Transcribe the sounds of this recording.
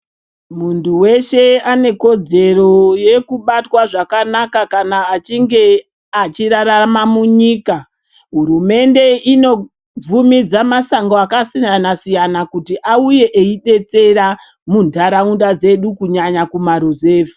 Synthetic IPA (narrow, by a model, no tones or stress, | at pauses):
muntuwe̞ʃe̞ane̞ko̞d͡ze̞ro̞jekuɓatwaʐakanakakanaːt͡ʃiŋɡe̞ | at͡ʃiɾaɾamamuɲiːka | ɦuɾume̞nde̞ino̞ | b͡vumid͡zamasaŋɡoakasijanasijanakutiʔauje̞ʔeiɗe̞t͡se̞ɾa | mundʱaɾaundad͡ze̞ɗukuɲaɲakumaɾuzeːvu̥